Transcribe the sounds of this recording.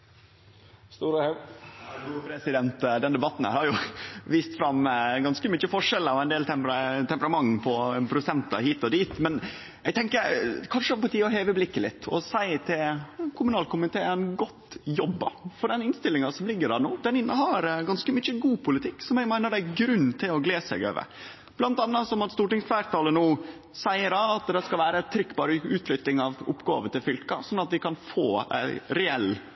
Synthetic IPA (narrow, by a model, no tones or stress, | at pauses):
st̪uːɾəhɛ | uːpʰɾɛsɪd̪ɛnt̪d̪ɛnd̪ɛbɑt̪ːn̩ə̰hɑɾjʊʋiːst̪fɾɑmɡɑnskəmʏçəfɔʂɛlːəɾɔɛɪnd̪eːlt̪ʰɛmpɾət̪ʰɛmpəɾɑmɑŋːpʰɔpʰɾʊsɛnt̪ɑ̰hiːt̪ɔd̪iːt̪mɛn | ɛɡt̪ʰɛŋkəɾkʰɑnʂəɔpɑʈʰiːəɔɦeːʋəblɪkːəlɪ̰t̪ːɔ̰sæɪt̪ʰɪlkʰʊmʉnɑːlkʰʊmɪt̪ʰeːænɡɔt̪ːjɔbːə̰fɔɖɛnɪnst̪ɪlːɪŋɑsɔmlɪɡːədɑnoːd̪ɛnɪnːəɦɑɾɡɑnskəmyçəɡuːpʰʊlɪt̪ʰɪkːsɔmɛɡmæɪnəɖ̪æɡɾʉnːt̪ʰɪlɔɡleːsɛ̰ɡø̰ːʋə̰ | b̥lɑnt̪ɑnːɑsɔmɑt̪st̪uːʈɪŋsfæːɾt̪ʰɑːlənuː | sæɪəɾɑɑt̪d̪ɛskɑlʋæːɾət̪ʰɾʏkːbɑːɾəʉːt̪ʰlʏt̪ːɪŋɑʋʊ̰pːɡɑ̰ːʋət̪ɪlfʏlkɑ̰sɔnːɑt̪ʋ̪ɪkʰɑnfoːæ̰ɪɾɛɛl